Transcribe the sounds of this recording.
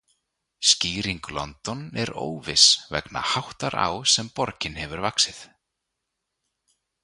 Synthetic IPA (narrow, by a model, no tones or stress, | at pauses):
sciːɾiŋklɔ̰nt̪ɔnɛɾo̰ːwvɪsvɛ̰kna̰hawht̪aɾʔa̰wsɛmpɔɾcɪnɦɛvʏɾvaksɪθ